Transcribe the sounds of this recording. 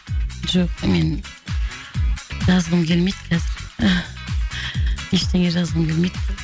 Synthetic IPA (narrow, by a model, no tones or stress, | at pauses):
ʒoqmen | ʒɑzʁəmkʲʰelmed̪kʰæzɪɾ | eʃt̪ʰeŋeʒɑzʁəmkʲʰelmed̪